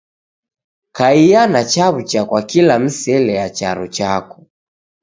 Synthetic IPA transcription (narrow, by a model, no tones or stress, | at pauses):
kaianat͡ʃaβut͡ʃakwakilam̩sɛlɛjat͡ʃaɾṵt͡ʃakɔ̥